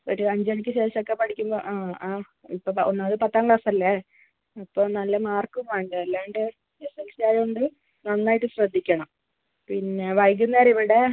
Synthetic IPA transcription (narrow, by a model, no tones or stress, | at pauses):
oɾuɐɲd͡ʑɐɳikʲːɨɕe̞ːɕɐmokːe̞pɐʈʰikʲːumbo̰ʔaaː | ḭpːoːonːɐɐðɨpɐt̪ːaːŋɡɭaːsɐɐlːe | ɐpːoːnɐlːɐmaːrkumaːɳɖɨelːaːɳɖe | esensijaːjuɳɖɨ | nɐnːaːjiʈːɨɕrɐd̪ʱːikʲːɐɳɐm | pinːe̞ʋɐjk̬ʲːunːɐɐɾiʋiɽe̞